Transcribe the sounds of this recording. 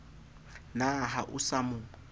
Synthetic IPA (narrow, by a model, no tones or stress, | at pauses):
naɦaʔʊsamʊ